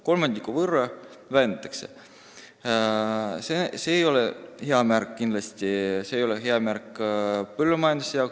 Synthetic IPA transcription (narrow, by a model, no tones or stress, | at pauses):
ko̞lmɑnd̪ikːuvɤrːɑ | væjnt̪ːˑɑ̥kse | seseːjo̞leheɑmæɾkːind̪lɑst̪iseːjo̞leɦe̞ɑmærkːˑpølːumɑjɑnd̪usejɑwk